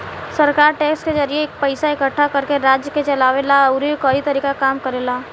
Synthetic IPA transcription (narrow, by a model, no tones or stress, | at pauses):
sɐɾkaːɾʈeːksked͡ʒəɾieːk̚pəɪsaɪkəʈʰːakɐɾkeɾaːd͡ʒjəket͡ʃɐlaːʋelaɐʊɾikɔit̪ɐɾiːkakaːmkɐɾeːlaː